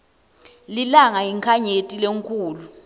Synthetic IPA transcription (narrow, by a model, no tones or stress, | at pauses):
lilaŋaiŋkʰaɲetʼileŋkʰuːlu